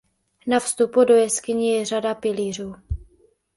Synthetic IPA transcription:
nafst̪upudo̞jɛskɪɲɪjɛr̝adapɪliːr̝uː

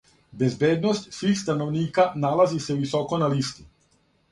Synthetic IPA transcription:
bezbeːd̪nost̪sʋiːxst̪anoʋniːkanalaziseuʋiso̞ko̞nalist̪i

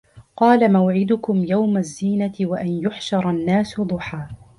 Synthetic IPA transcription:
qɑːlamawʕɪd̪ʊkʊmjawmazːiːnat̪ɪwaʔanjʊħʃɑɾˤɑnːaːsʊd̪ˤʊħaː

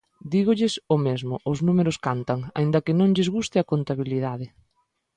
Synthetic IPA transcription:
d̪iɣʊʎɪsʊmezmʊʔʊznumeɾʊskant̪aŋa̰ind̪ɐkɪnõŋʎɪzɣust̪ɪakont̪aβ̞iliðaðɪ

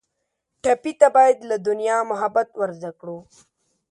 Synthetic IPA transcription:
ʈapit̪abaːjad̪lad̪ʊnjamʊɦabat̪waɾzakɽu

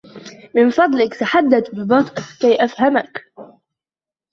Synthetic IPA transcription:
mɪnfɑd̪ˤlɪkt̪aħad̪ːat̪bɪbɑt̪ˤʔɪkajʔafhamak

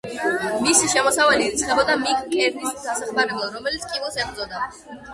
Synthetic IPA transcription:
misiʃɛmɔsavalit̪sʰχɛbɔd̪amikʼkʼɛɾd̪isid̪asaχmaɾɛblˠaɾɔmɛlit̪skʼivɛlˠsɛbɾd̪zɔd̪a

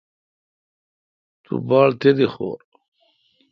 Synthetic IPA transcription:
t̪ṵbaːɭt̪ed̪ixo̰ːɾ

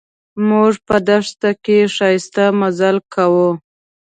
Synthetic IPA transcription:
muʐpəd̪aʂt̪akeʃɑjɪst̪amazalkawu

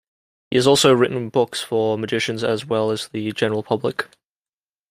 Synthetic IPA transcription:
hiəzɔˑlˠsoʊɹɪʔn̩bʊksfəməd͡ʒɪʃə̃nzəzwɛləzðəd͡ʒɛnəɹəlˠpʰʌblɪk

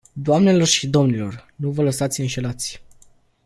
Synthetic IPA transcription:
d̪oamne̞lo̞rʃid̪o̞mnilo̞rnuvələsat̪sʲɨnʃe̞lat̪sʲ

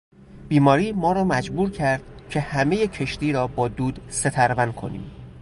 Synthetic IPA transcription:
b̥iːmɒːɾiːmɒːɾɒːmæd͡ʒbuːɾcʰæɾd̪̥cʰe̞hæme̞jecʰe̞ʃt̪iːɾɒːbɒːd̪uːd̪se̞t̪ʰæɾvænkʰo̞̰nḭːm

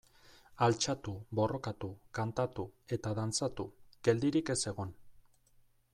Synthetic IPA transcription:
alt͡ʃat̪ubo̞ro̞kat̪ukant̪at̪ue̞t̪aðant͡sat̪uɡ̥e̞ld̪iɾike̞se̞ɣo̞n

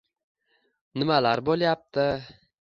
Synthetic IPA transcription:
nɪmalaɾbolˠjap̚t̪ʰɪ

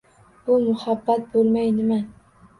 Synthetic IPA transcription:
b̥ʊmʊhabːat̪̚bolˠmajnɪma

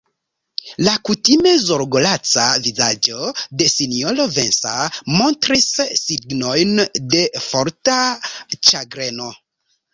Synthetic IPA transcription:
lakutime̞zoɾɡolat͡savizad͡ʒo̞de̞siniolove̞nsa̰mo̞ntɾisːiɡno̞jnde̞foɾtat͡ʃaɡɾeno̞

